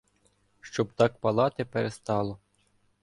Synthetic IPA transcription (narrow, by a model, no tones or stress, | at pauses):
ʃt͡ʃɔbt̪ɑk̚pɐlˠɑt̪ɪpeɾest̪ɑlˠɔ